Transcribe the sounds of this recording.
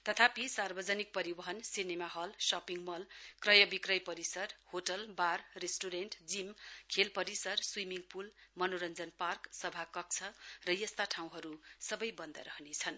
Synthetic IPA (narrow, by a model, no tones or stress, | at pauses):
t̪ʌt̪ʰapisarbʌd͡zʌnik̚pʌɾibʌɦʌnsinemaɦʌlsʌpiŋmʌlkrʌjʌbikrʌjpʌɾisʌrhoʈʌlbarːesʈuɾenʈd͡zimkʰelpʌɾisʌrswimiŋpulmʌnoɾʌnd͡zʌnparksʌbʱakʌk̚t͡sʰʌrʌjʌst̪aʈʰaw̃ɦʌɾusʌbʌjbʌnd̪a̰ɾʌɦnet͡sʰʌn